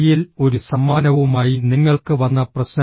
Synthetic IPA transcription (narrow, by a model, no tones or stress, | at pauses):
jilo̞ɾusɐmːaːnɐʋumaːjiniŋːɐɭkɨʋɐnːɐprɐɕnɐ